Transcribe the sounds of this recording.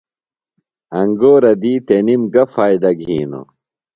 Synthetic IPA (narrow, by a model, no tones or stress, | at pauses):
ɐŋɡoːɾɐd̪iːt̪enimɡɐfaːjd̪ɐɡʱiːno̰